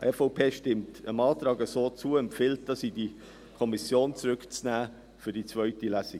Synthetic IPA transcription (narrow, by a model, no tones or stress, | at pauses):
ʔɛfoʊpʰeːʃtɪmtəmɑːtɾɑːɡəsoːt͡suəɛmfɪlt̚d̥ɑsidi | kʰɔmisjoːnt͡sɾʏkt͡snæː | fyd̥it͡svœʏtilæsi